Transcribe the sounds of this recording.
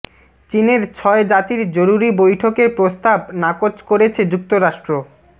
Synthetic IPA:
t͡ɕineɾt͡ɕʰɔed͡ʑat̪iɾd͡ʑoɾuɾibojʈʰokeɾpɾost̪abnakot͡ɕkoɾet͡ɕʰed͡ʑuk̚t̪oɾaʃʈɾo

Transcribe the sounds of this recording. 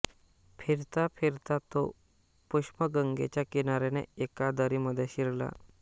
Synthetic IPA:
fʰiɾt̪apʰiɾt̪at̪o | puʂməɡəŋɡḛt͡ɕjakinaɾenḛekad̪əɾiməd̪ʱːjeɕiɾla̰

